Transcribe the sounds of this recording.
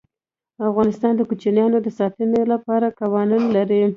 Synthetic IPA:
afɣɑnɪst̪ɑnd̪əkut͡ʃinjɑnod̪əsɑt̪ənolapɑɾakawɑnunlaɾi

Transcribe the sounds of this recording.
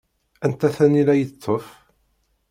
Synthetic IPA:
ænt̪æθænilæjət̪ʰˤːɔf

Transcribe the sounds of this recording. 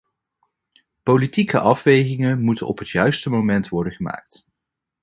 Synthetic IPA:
politikəʔɑfʋejχɪŋəmutənɔ̰pɦətjœɥstəmomɛntʋɔɹdəχəma̰ːk̚t

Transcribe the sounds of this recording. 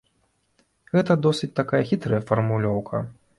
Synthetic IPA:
ɣɛt̪ɐd̪ɔsʲɨt͡sʲt̪akajɐxʲit̪ɾɐjɐfɐrmulʲɔwkʰɐ

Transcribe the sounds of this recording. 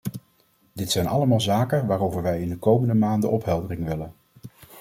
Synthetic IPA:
dɪtsɛjnɑ̰ləmaːlˠzaːkənʋaːɾowvəɹʋɛjɪndəkowməndəmaːndəʔɔpɦɛlˠdərɪŋʋɪlən

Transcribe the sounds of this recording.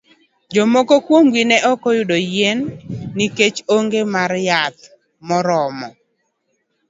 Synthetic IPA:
d͡ʒomokokwomɡinɛʔɔkɔjʊdojenːiket͡ʃoŋɡemarjat̪̚ | mɔɾɔmɔ

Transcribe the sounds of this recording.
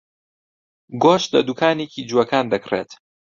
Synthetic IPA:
ɡoːʃt̪lɐ̰d̪ukʰaːnekʰid͡ʒuɐkaːnd̪ɐkreːt̪

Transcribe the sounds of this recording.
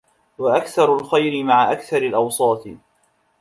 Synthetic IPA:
waʔakθɑɾˤʊlxajɾɪmaʕaʔakθɑɾˤalʔɑwsˤɑːt̪

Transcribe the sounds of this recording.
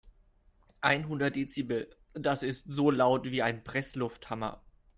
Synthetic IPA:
ʔaɪnɦʊndɐt̚d̥eːt͡siːbə | d̥asɪstz̥oːlaʊtv̥iːaɪnpʁ̥ɛslʊfthamɐ̰

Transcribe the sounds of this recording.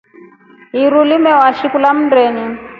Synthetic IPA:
ɦiɾulimɛwaʃikulam̩ndɛni

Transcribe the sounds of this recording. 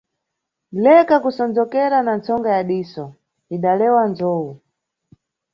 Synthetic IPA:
lɛkakusɔnd͡zɔkɛɾanant͡sɔŋɡajaɗiːsɔ | iɗalɛwand͡zɔːu

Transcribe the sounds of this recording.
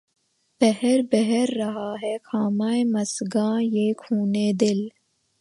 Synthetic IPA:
b̥ɐɦeɾbɐɦeɾːɐɦaːɦeːxʰaːmaːjmɐsɡãːjeːkʰuːneːd̪ɪl

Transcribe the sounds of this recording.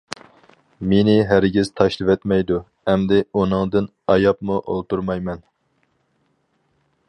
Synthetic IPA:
menɪɦæɾɪɡʲiz̥t̪ʰɑʃlˠɨvɛt̪mɛjd̪u | ɛmd̪ɪunɨŋd̪ɨn | ɑjɑp̚muʔo̰lˠt̪uɾmɑjmɛn

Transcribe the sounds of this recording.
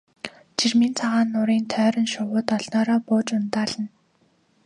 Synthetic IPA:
t͡ɕʰirmint͡sʰaʁaːnːʊɾiːnt̪ʰœːɾə̆nʃʊwʊːt̪ɔɮnɔːɾɔːpʊːt͡ɕʊnt̪aːɮə̆n

